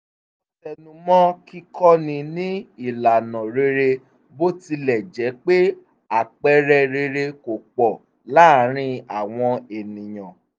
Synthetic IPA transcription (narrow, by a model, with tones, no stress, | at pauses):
tɛ˨nũ˨˧˦mɔ̃˦ki˦kʰɔ˦nĩ˧nĩ˦i˦˨la˨nɔ̃˨ɾe˧ɾe˧ | bo˦ti˧lɛ˨d͡ʒɛ˨˦k͡pe˦ | a˨k͡pɛ˦ɾɛ˧ɾe˧ɾe˧ko˨k͡pɔ˨ | la˦ɾ̃ĩ˦a˨w̃ɔ̃˧e˨nĩ˨j̃ɔ̃˨